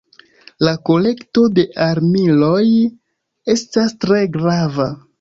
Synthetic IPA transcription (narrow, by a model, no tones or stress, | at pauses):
lako̞le̞kto̞de̞ʔaɾmilo̞j | e̞stastɾe̞ɡɾava